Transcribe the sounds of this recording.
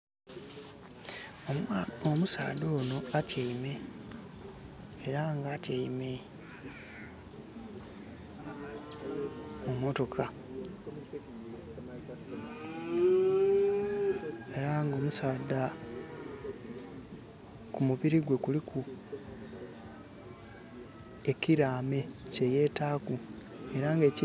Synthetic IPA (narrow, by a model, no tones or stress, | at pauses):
omusa̰ːdo̞ːno̞atʰjeime̞ | ɾaŋɡatjeime̞ | umo̞to̞kʰa | e̞ɾaŋɡo̞ːmusaːda | kumuβiɾiɡwe̞kulikʰu | e̞ciɾaːme̞ce̞je̞ːtaːku | e̞ɾaŋɡe̞ːci